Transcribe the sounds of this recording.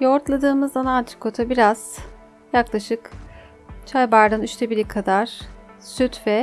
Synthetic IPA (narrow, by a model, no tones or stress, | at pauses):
jo̞ɾt̪lˠad̪ɯːmɯzanant̪ʰi̥kʰːo̞t̪ʰabiɾaz̥ | jaklˠaʃɯk | t͡ʃʰajbaɾɾɯnyʃt̪ʰɛbiɾʲikʰad̪aɾ̥ | syt̪vɛ